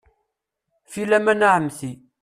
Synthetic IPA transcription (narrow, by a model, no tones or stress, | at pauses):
filæmænaʕəmːθi